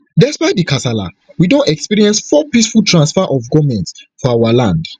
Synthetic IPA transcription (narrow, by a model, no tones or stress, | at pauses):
dɛspaɪt̚dikʰasala̰ | widõntɛkspiɹiɛ̃nsfɔpisfultʰɹãnsfɛʔɔfɡɔmɛ̃ntsfɔawalãnd